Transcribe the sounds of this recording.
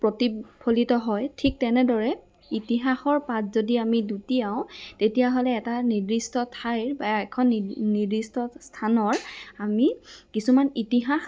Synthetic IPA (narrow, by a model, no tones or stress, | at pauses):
pɹotipʰolitɔɦɔjtʰik̚tɛnɛdɔɹɛ | itiɦaxɔɹpatzodiamidutijaʊ̃tetijaɦolɛːtanidɹistɔtʰajɹbaɛkʰɔnnidistɔstʰanɔɹamikisumanitiɦax